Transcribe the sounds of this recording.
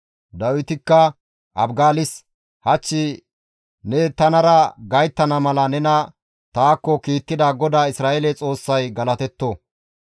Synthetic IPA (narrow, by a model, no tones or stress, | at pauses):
d̪ɐwɪt̪ɪkːɐ | ʔɐ̰bɡaːlɪs | hɐt͡ʃːɪ | nɛt̪ɐnɐɾɐɡɐjt̪ːɐnɐmɐlɐnɛnɐ | t̪aːkːɔkiːt̪ːɪd̪aːɡɔd̪aːɪsɾaːʔɛlɛt͡sʼo̞ːsːɐjɡɐlɐt̪ɛt̪ːo